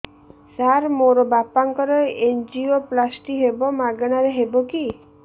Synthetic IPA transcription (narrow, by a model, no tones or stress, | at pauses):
saɾmoɾɔbapaŋkɔɾeend͡ʒioplasʈiɦebɔmaɡɔɽ̃aɾeɦebɔki